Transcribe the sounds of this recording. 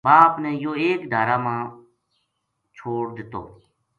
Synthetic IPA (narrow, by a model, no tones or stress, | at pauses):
baːpnɛ̃ːjoːeːkd̪ʱaːɾaːmãː | t͡ʃʰoːɽd̪ɪt̪o̰ː